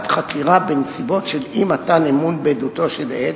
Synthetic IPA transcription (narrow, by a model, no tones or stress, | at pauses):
t̪χakiʁabensibo̞tʃelimat̪anemunbedut̪o̞ʃele